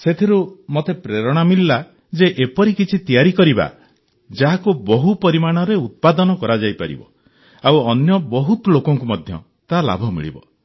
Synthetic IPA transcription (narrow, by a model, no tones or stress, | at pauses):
set̪ʰiɾumot̪epɾeɾɔɽ̃amilːa | d͡ʒeʔepɔɾikit͡ʃʰit̪ijaɾikɔɾiba̰ | d͡ʒaɦakubɔɦupɔɾimaɽ̃ɔɾeut̪̚pad̪ɔnɔkɔɾad͡ʒajpa̰ɾḭbɔ̰ | awɔnjɔbɔɦut̪lokɔŋkumɔd̪ʱjɔ̰ | t̪ala̰bʱɔmḭɭḭbɔ̰